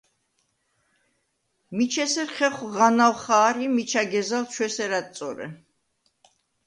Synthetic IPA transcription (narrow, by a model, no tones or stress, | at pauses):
mit͡ʃʰɛsɛɾχɛχwʁanawχaːɾimit͡ʃʰaɡɛzalt͡ʃʰwɛsɛɾat̪sʼɔɾɛ̰